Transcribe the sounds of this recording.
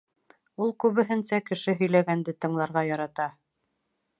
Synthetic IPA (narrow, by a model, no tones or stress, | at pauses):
ulˠkʉβɘ̆ɦɘ̆nsækɘ̆ʃɘɦɵ̆jlæɡænd̪ɘt̪ɤ̆ɴlˠɑɾʁɑjɑɾɑt̪ɑ